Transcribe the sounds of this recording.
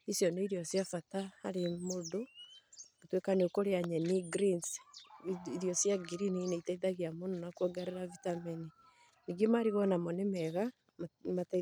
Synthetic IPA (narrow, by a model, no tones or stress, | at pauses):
isjɔneiɾijɔsjafataaɾemodo | otwekaneokoɾeaɲɛniɡɾins | ɾjɔsjaɡiɾinineitaiðaɣjamononakwaɡaɾeɾavitamini | niɡemaɾiɣɔnamɔnemɛɣa | mat